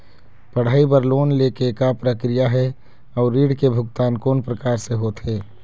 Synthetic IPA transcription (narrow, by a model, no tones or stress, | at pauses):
pəɽ̤aːibəɾloːnlekekapɾəkɾijaɦɛ | ɔːɾːiːɽkebʱʊɡt̪aːnkoːnpɾəkaːɾseɦot̪ɦeː